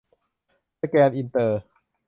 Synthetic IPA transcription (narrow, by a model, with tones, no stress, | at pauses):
kɛː˧nʔi˧nt̪ɤː˧